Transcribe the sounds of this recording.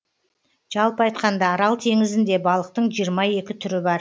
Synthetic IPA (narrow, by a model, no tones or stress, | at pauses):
ʒ̥ɑlˠpəɑjt̪qɑnd̪ɑːɾɑlˠt̪ʰe̞ŋɪzɪnd̪e̞bɑlˠəqt̪əɴʒijəɾmɑje̞kʲɪt̪ʰʏɾɪbɑɾ